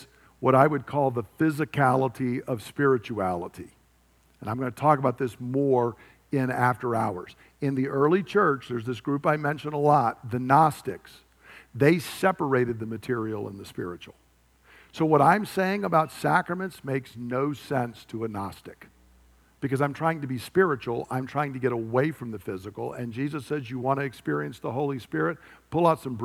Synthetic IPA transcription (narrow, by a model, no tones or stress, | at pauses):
wʌɾaɪwɨd̚kʰɔlˠðəfɪzɨkʰælˠəɾiʌv̥spɪɹɨt͡ʃuælˠəɾi | ɨ̃nãɪ̃mɡʌ̃nətʰɔkəbaʊt̪̚ðɪsmɔɹ | ɪ̃næftə˞aʊə̰˞z̥ | ɨ̃nðiʔɜ˞lˠit͡ʃʰɜ˞t͡ʃðə˞zðɪs̬ɡ̥ɹʉpaɪmɛ̃nʃɨ̃nəlɔt̪̚ðɨnɑstɨks | ðeɪsɛpə˞eɪɾɨd̪̚ðɨmɨtʰɪɹil̩ˠə̰̃nðɨspɪ̰ɹɨ̰t͡ʃul̩ˠ | soʊwʌɾãɪ̃mseɪɪ̃ŋəbaʊtsækɹɨmɨ̃ntsmeɪksnoʊsɛ̃nstʰəənɑstɨk | b̥ɨkʌzãɪ̃mtʰɹ̥aɪɪ̃ŋtɨbispɪɹɨt͡ʃul̩ˠã̰ɪ̃mtʰɹ̥aɪɪ̃ŋtɨɡɛɾəweɪfɹʌ̃mðɨfɪzɨkl̩ˠɨ̰̃nd͡ʒizɨsɛzjɨwɑ̃ñɨːkspɪɹiɨ̃nsðəɦoʊlˠispɪɹɨt̚pʰʊlˠaʊtsʌ̃mb